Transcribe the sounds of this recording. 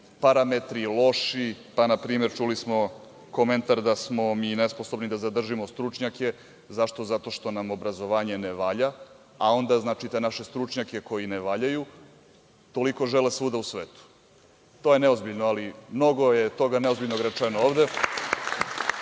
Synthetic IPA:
paɾamet̪ɾilˠo̞ʃipanapɾiːmeɾt͡ʃulismo̞ | kome̞nt̪aɾd̪asmo̞miːnesposobnid̪azad̪r̩ʒimost̪ɾut͡ʂɲake̞ | zaʃt̪o̞zat̪o̞ʃt̪o̞namo̞bɾazo̞ʋaːɲe̞neʋaʎa | ao̞nd̪aznaːt͡ʃit̪enaʃe̞st̪ɾut͡ʂɲake̞ko̞jineʋaʎaju | t̪o̞liko̞ʒelesʋuːd̪ausʋeːt̪u̥ | t̪ojeneozbiʎnoalimno̞ɡo̞jet̪o̞ɡaneo̞zbiʎnoɡɾat͡ʂɛnooːʋd̪e

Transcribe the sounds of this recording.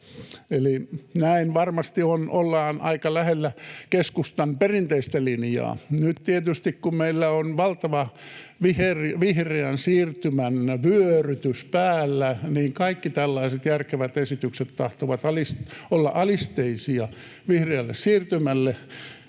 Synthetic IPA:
elinæinʋɑrmɑst̪ionʔolːɑːnʔɑ̰ikɑlæhelːækeskust̪ɑnperint̪eist̪ælinjɑ̰ːnyt̪t̪iet̪yst̪ikkummeilːæonʋɑlt̪ɑʋɑʋiherʋihreænsiːrt̪ymænʋyøryt̪yspæːlːæniːŋkɑikːit̪ælːɑiset̪jærkeʋæt̪esit̪ykset̪t̪ɑht̪oʋɑt̪ɑlisolːɑ̰ʔɑlist̪eisiɑ | ʋihreælːḛssiːrt̪ymælːe

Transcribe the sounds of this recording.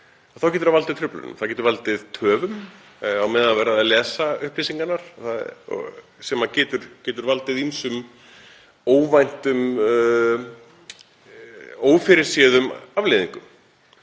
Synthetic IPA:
aθawcɛːt̪ʏɾavalt̪ɪð̥t̪ʰɾʏplʏ̰nʏ̰m̥θawcɛt̪ʏɾvalt̪ɪðt̪ʰœːvʏm | awmɛðaðvɛːɾaðaðlɛːsaʏhplisiŋkanːaɾ̥θaðɔ̰ | sɛmaðcɛːt̪ʏɾ̥cɛːt̪ʏɾvalt̪ɪðinsʏm | oːwvajn̥t̪ʏm | oːwfɪɾɪɾ̥sɛːðʏmavleðiŋkʏm

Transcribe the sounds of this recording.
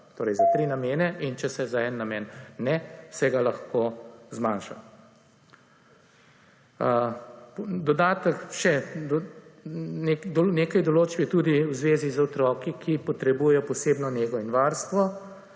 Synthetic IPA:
t̪oːɾɛjzat̪ɾiːnameːnɛint͡ʃɛsɛzaɛnːameːnːɛsɛɡalaxkoːzmanʃa̰ | d̪ɔd̪aːt̪əkʃɛd̪ɔ | nekd̪ɔneːkajd̪ɔloːt͡ʃbjit̪uːd̪iwzʋeːzizɔt̪ɾɔːkikʰipɔt̪ɾɛbuːjɛjɔpɔseːbnɔneːɡɔinʋaːɾst̪ʋɔ

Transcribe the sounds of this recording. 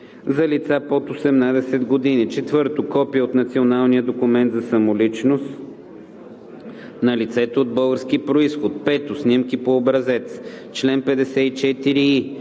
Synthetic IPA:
zɐlit̪sapot̪osɛmnad̪ɛsɛd̪ɡod̪init͡ʃɛt̪vɤɾt̪ʊkɔpiəot̪nɐt̪sionalˠnijəd̪okʊmɛnt̪zɐsɐmolit͡ʃnos | nɐlit̪sɛt̪ood̪̚bɤlˠɡəɾskiəpɾoisxot̪̚pɛt̪ʊsnʲimkipoːbɾɐzɛt̪s | t͡ʃlɛnpɛd̪ɛsɛit͡ʃɛt̪iɾii

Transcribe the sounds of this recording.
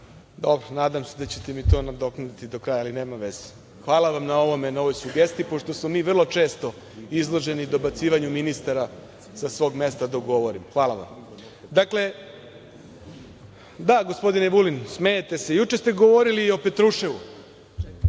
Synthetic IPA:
d̪o̞bɾonaːd̪amse̞d̪at͡ɕet̪emit̪o̞ːnad̪o̞kut̪id̪o̞kɾaːjaːline̞ːmamʋe̞z̥e̥ | xʋaːlˠaʋamnao̞ʋo̞menao̞ʋo̞jsuɡest̪iipo̞ʃt̪o̞smomiːʋr̩lˠo̞t͡ʃe̞ːst̪o̞ | izlˠo̞ʒe̞nid̪o̞bat̪siːʋaɲuminist̪aɾa | sasʋo̞ːɡme̞st̪ad̪oɡo̞ʋo̞ɾimxʋaːlˠaʋa̰m | d̪akle̞ | d̪aɡo̞spo̞d̪ineʋulinsmejet̪e̞se̞jut͡ʃest̪e̞ɡoʋo̞ɾiliːo̞pe̞t̪ɾuʃeʋu

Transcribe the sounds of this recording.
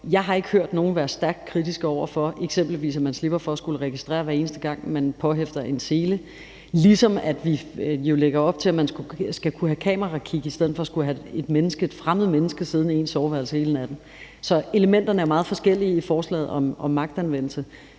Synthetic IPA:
jɑ̈ɪɦɑ̈e̝ɡ̥ə̥høɐ̰d̥no̝ːn̩ʋæːɐsd̥æɐɡ̥d̥kʰʁid̥isɡ̥ɒʊ̰ɐfɒ̽ʔe̝ɡ̥semb̥l̩ʋḭːsæmænsle̝b̥ɐfɒ̽ːsɡ̥uləʁɛɡ̥isd̥ʁɛ̰ːɐʋæɐe̝ːnəsd̥əɡ̥ɑ̈ŋ̰mænpʰɒ̽ɦefd̥ɐʔe̝nse̝ːlə | lisɒ̽mæd̥ʋijo̝leɡ̥ɐɒ̽b̥̚t͡sʰe̝læmænsɡ̥usɡ̥ækʰuɦækʰɛ̰ːmɐʁɑ̈kʰiɡ̥əisd̥eð̰̩ˠfɒ̽sɡ̥ulɦæe̝d̥menəsɡ̥əd̥fʁamð̞̩ˠmenəsɡ̥əsið̞ˠn̩e̝̰ːnsɒʊʋæɐlshe̝ːln̩æd̥em̩ | sɒ̽e̝ləmen̰d̥ɐnəæɐmɑ̈ːð̞̩ˠfɒ̽sɡ̥el̰iifɒːslɛ̰ːð̩ˠɒ̽mɒ̽mːɑ̈ɡ̥̚d̥ænʋen̰l̩sə

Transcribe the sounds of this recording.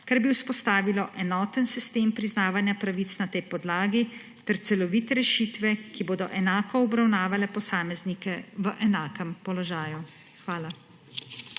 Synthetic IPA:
kaɾbiwspɔst̪aːʋilɔʔɛnɔːt̪ənsist̪eːmpɾiznaːʋanjapɾaʋiːt̪snat̪ɛjpɔd̪laːɡi | t̪ɛɾt̪sɛlɔʋiːt̪ɛɾɛʃiːt̪ʋɛkiboːd̪ɔʔɛnaːkɔːbɾawnaːʋalɛpɔsaːmɛznikɛʋəʔɛnaːkəmpɔlɔʒaːju | xʋaːla

